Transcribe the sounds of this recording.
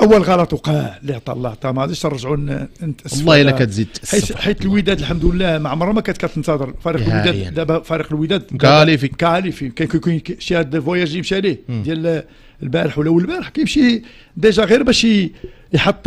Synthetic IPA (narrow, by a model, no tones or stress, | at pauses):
ʔæwːəlɣɑlɑt̪ˤwqæliʕt̪ˤɑ̰lːɑʕt̪ˤɑmʕæd̪iʃt̪ɑɾˤːɑʒʕunənt̪ʔəslˤːɑhilːækæt̪zid̪ħiħit̪əlwəd̪æd̪əlħamd̪əlːæmaʕmɑɾˤːɑmækæt̪kæt̪ənt̪ɑd̪əɾˤfæɾiqlwid̪æd̪æbæfæɾiqəlwəd̪æd̪̚mkælifimkæʕælifikæjkjkunʃiæd̪væjæʒjəmʃilid̪jæl | lbæɾəħwəlʔəwlbæɾəħkæjəmʃi | d̪æʒæɣiɾbæʃ | jħɑt̪ˤː